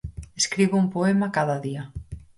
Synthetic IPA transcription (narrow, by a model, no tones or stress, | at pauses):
eskɾiβʊumpoɛmɐkaðɐðiɐ